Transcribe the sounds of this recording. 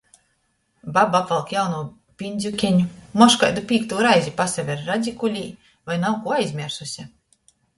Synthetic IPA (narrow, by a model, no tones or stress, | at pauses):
babapvalˠkjawnuː | pʲinʲd̪zʲukʲɛɲumɔʃka̰jd̪upʲiːkt̪uːɾajzʲipasavʲɛɾːad̪zʲikulʲiː | vajnawkuɔajzʲmʲiɾsusʲa